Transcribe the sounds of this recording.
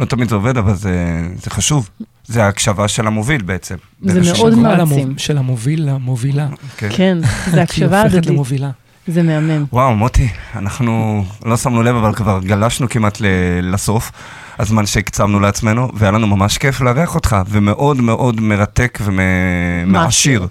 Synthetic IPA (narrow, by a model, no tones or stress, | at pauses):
lot̪amid̪zeo̞ve̞davalzez̥eχaʃuv | zeaːkʃavaʃe̞lamovilbeet͡sem | zemeʔodmaimʃelamovilamovilakekenzeakʃavatmovila | zemeamemwawamot̪ʰianaχnulo̞samnulevavalkvaʁɡalaʃnukimatlelaso̞f | azmanʃe̞kt͡savnuleat͡smenuvejalanumamaʃkefleaʁeaχo̞t̪χavemeʔo̞dme̞ʔo̞dme̞ʁate̞kvememeaʃiʁ